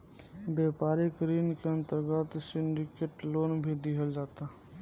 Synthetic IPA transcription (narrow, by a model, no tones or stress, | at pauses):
beːpaːɾikəɾiːnkeə̃nt̪əɾɡət̪sɪ̃ɳɖɪkeːʈloːnbʱid̪iɦəld͡ʒaːt̪a